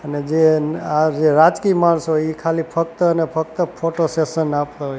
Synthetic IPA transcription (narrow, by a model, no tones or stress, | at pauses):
əned͡ʒead͡ʒeɾad͡ʒkimaɳsooikʰalipʰək̚t̪əənepʰək̚t̪əpʰoʈosesənapt̪aɦoj